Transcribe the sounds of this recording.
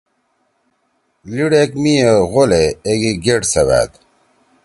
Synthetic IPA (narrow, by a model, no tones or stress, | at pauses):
liɽekmijeɣoleːɡiɡeʈsɐβa̰ːt̪